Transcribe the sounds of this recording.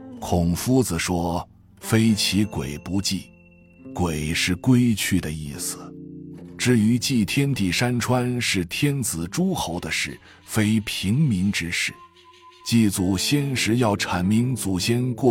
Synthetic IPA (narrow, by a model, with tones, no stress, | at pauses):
kʰʊ˨˩ŋfu˥t͡sɹ̩˨ʂwɔ˥ | fe˥ɪt͡ɕʰi˧˥kwe˨˩ɪpu˧˥t͡ɕi˥˩ | kwe˨˩ɪʂɻ̩˥˩kwe˥ɪt͡ɕʰy˥˩d̪ə˩i˥˩sɹ̩˨˩ʈ͡ʂɻ̩˥˩y˧˥t͡ɕi˥˩t̪ʰjɛ˥nt̪i˨˩ʂa˥nʈ͡ʂʰwa˥nʂɻ̩˥˩t̪ʰjɛ˥nt͡sɹ̩˨˩ʈ͡ʂu˥xo˧˥ʊd̪ə˧ʂɻ̩˥˩ | fe˥ɪpʰi˧˥ŋmi˧˥ŋʈ͡ʂɻ̩˥ʂɻ̩˥˩ | t͡ɕi˥˩t͡su˨˩ɕjɛ˥nʂɻ̩˧˥jɑ˥˩ʊʈ͡ʂʰa˨˩nmi˧˥ŋt͡su˨˩ɕjɛ˥nkwɔ˥˩